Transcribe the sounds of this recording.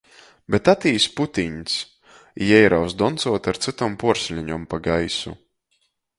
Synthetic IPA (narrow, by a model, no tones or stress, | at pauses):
bɛt̪at̪iːsput̪ʲiɲs | jɛjɾawzd̪ɔnt̪suɔt̪aɾt̪sɨt̪ɔmpuɔɾsʲlʲiɲɔmpaɡajsṵ